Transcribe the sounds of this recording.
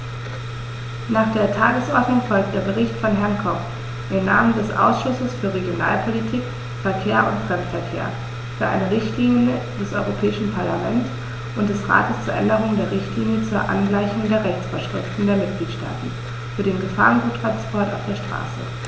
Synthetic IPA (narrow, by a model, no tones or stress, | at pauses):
naːχd̥eːɐtʰaːɡəsʔɔɐdnʊŋfɔlk̚t̚d̥eːɐbəʁɪçtfɔnɦɛɐnkʰɔp | ʔɪmnaːməndɛsʔa̰ʊsʃʊsəsfyːɐʁeɡjona̰ːlpʰolitʰiːk | fɛɐkʰeːɐʔʊ̰ntfʁ̥ɛmtfɛɐkʰḛːɐ | fyːɐʔa̰ɪnəʁɪçtliːnjə | dɛsʔɔʏʁopʰɛːɪʃn̩pʰaɐlamɛnts | ʔʊntd̥ɛsʁa̰ːtəst͡suːɐʔɛndəʁ̞ʊŋdeːɐʁɪçtliːnjət͡suːɐʔa̰nɡlaɪçʊŋdeːɐʁɛçt͡sfɔɐʃʁ̥ɪftn̩deːɐmɪt̚ɡ̥liːtʃta̰ːtn̩ | fyːɐɾeːnɡəfa̰ːʁənɡuːtʁ̥anspʰɔɐta̰ʊfd̥eːɐʃtʁ̥a̰ːsə̰